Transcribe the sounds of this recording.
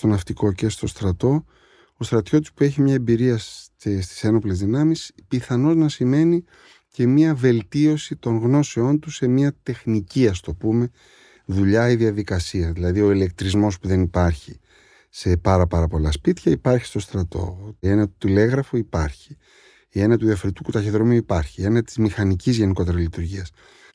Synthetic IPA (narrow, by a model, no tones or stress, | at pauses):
st̪o̞nɐft̪iko̞ce̞st̪o̞st̪ɾɐt̪o̞ | ost̪ɾɐt̪ço̞t̪u̥spue̞çimɲɐebiɾiɐ | est̪i̥se̞no̞ple̞zðinɐmispiθɐno̞znɐsime̞ni | ce̞miɐve̞lt̪io̞sit̪o̞ŋɣno̞seo̞nt̪use̞miɐt̪e̞xniciɐst̪o̞pume̞ | ðuʎɐiðiɐðikɐsiɐðilɐðio̞ile̞kt̪ɾizmo̞spuðe̞nipɐɾçi | se̞pɐɾɐpɐɾɐpo̞lɐ̰spit̪çɐipɐɾçi̥st̪o̞st̪ɾɐt̪o̞̰e̞nɐt̪u̥t̪ile̞ɣɾɐfoipɐɾçi̥ | e̞nɐt̪uiɐfɾit̪ukut̪ɐçiðɾo̞miuipɐɾçie̞nɐt̪i̥zmixɐnicizʝe̞niko̞t̪e̞ɾɐzlit̪uɾʝiɐs